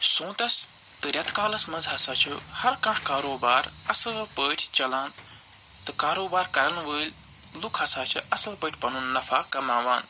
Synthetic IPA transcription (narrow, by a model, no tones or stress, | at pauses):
sõːt̪ɐs | t̪ɨɾʲɐt̪kaːlɐsmɐnzɦɐsaːt͡ʃʰihɐɾkɐ̃ɳʈkaːɾoːbaːɾɐsɨlpəːʈʰʲt͡ʃɐlaːnt̪ɨkaːɾoːbaːɾkɐɾɐnʋəːlʲ | lukʰɦɐsaːt͡ʃʰiʔɐsɨlpəːʈʲʰpɐnunːɐfaːkɐmaːʋaːn